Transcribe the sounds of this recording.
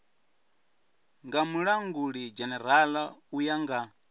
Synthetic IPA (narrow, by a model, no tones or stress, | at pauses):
ŋɡamuɺaŋɡuɺid͡ʒɛnɛɾ̤alaujaŋɡa